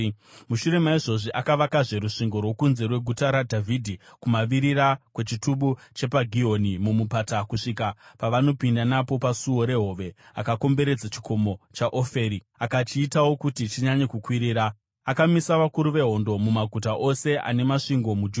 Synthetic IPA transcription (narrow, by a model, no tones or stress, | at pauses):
muʃuɾe̞maiʐo̞ʐiʔakaʋakaʐe̞ɾuʂiŋɡo̞rwo̞kunze̞rwe̞ɡʱutaɾadʱavʱidʱikumaʋiɾiɾakwe̞t͡ʃituɓut͡ʃe̞paɡʱio̞nimumupatakuʂikapaʋano̞pindanapo̞pasuwo̞ɾe̞ɦo̞ːʋe̞a̰kako̞mbe̞ɾe̞d͡zat͡ʃikʰo̞mo̞t͡ʃaʔofe̞ːɾi | akat͡ʃiːtawo̞kutit͡ʃiɲaɲekukwiɾiːɾa | akamisaʋakuɾuʋe̞ɦo̞ndo̞mumaɡʱutaʔose̞ʔa̰ne̞maʂiŋɡo̞mud͡ʒu